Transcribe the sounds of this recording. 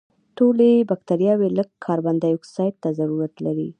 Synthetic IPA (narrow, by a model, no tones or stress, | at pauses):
t̪olebak̚t̪aɾjɑweləɡkʰːɑɾband̪ajʊksɑjt̪̚t̪ːazaɾuɾat̪laɾi